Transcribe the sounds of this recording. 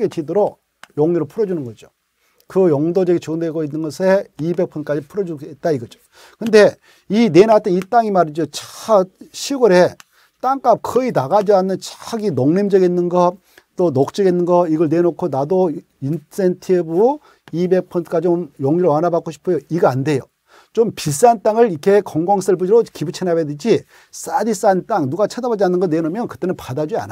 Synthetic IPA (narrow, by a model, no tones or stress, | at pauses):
ɡet͡ɕidɯɾo | jʌŋɲiɾɯɭpʰuɾʌd͡ʑunɯnɡʌd͡ʑo | kɯjʌŋdod͡ʑeɡit͡ɕondeɡoinːɯnɡʌsʰeibe̞k̚pʰʌnk͈ad͡ʑipʰuɾʌd͡ʑuet̚t͈aiɡʌd͡ʑo̥ | kɯnde̞ | inenatʰɯnit͈aŋimaɾid͡ʑot͡ɕḁɕʰiɡoɾe | t͈aŋk͈ap̚kɯinaɡad͡ʑianːɯnt͡ɕḁɡinoŋnemd͡ʑʌɡenːɯnɡʌ | t͈onok̚t͡ɕ͈ʌɡinːɯnɡʌiɡʌɭnenokʰonado | insʰentʰibɯ | ibe̞k̚pʰʌntʰɡ͈at͡ɕomjʌŋiɾowanabak͈oɕʰi̥pʰɯjoiɡaande̞jo | t͡ɕompis̬͈ant͈aŋɯɭikʰe̞kʌŋɡaŋs͈ɯɭbud͡ʑiɾokibut͡ɕʰenabedɯd͡ʑi | s͈adis͈ant͈aŋnuɡat͡ɕʰadabad͡ʑianːɯnɡʌnenomjʌnkɯ̥t͈e̞nɯnpadad͡ʑia̰na